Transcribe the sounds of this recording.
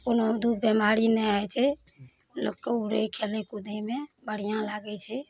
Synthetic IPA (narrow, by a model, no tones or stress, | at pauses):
konod̪ud̪̚bemaɾinɛat͡ʃʰɛ | lokːeuɾekʰelekud̪emebəɽ̤ijãlaɡɛt͡ʃʰɛ